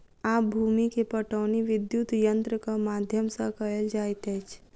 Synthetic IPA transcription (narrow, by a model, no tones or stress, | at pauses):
aːp̚bʱuːmikepəʈəːniʋɪd̪jut̪jə̃nt̪ɾəkamaːd̪ʱjəmsãkəeld͡ʒaːet̪ɛt͡ʃʰ